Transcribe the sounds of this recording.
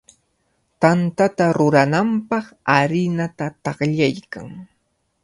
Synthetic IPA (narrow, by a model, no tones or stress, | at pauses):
t̪ant̪at̪aɾʊɾanampɑχaɾɪnat̪at̪ɑχʎajka̰ŋ